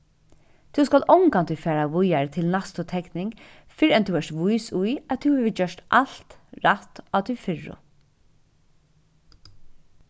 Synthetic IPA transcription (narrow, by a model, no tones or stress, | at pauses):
t̪ʰʉwskalɔwŋkant̪ʰʏfɛːɾaʋʊjaɹt̪ʰɪlnast̪ʊt̪ʰɛknɪŋk | fɪɾɛnt̪ʰuːɛʂt̪ʋʊjsʊjæt̪ʰuhɛʋɪd͡ʒœʂt̪ʔal̥t̪ɾat̪aːt̪ʰɪfɪɹʊ̰